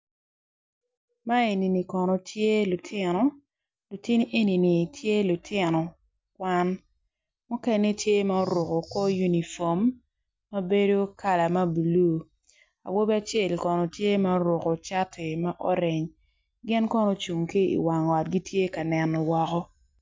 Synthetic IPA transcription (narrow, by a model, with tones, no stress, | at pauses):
ma˦e˨ni˨ni˨kɔ˨nɔ˨tʰje˦lu˨tʰɪ˦nɔ˨ | lu˨ti˦ni˦ʔe˦ni˨ni˨tʰje˦lu˨tʰɪ˦nɔ˨ | kwa˦n | mu˦ke˦ne˦tje˦ma˦o˦ɾo˨ko˨kɔ˦ju˦ni˨fɔ˨mː | a˦be˦do˦ka˦˨la˨ma˦bu˨lu˦ | a̰˨wo˦bɛ˦a˨t͡ʃe˨lkɔ˨nɔ˨tje˦ma˦o˦ɾo˨ko˨t͡ʃa˦tʰe˨ma˦ʔɔ˦ɾɪ˨ɲ | ɡɪ˦nkɔ˦nɔ˦t͡ʃu˨ŋki˦ḭ˨wa˨ŋɔ˨t̚ɡi˦tʰje˦ka˨nɛ˨nɔ˨wɔ˨kɔ˦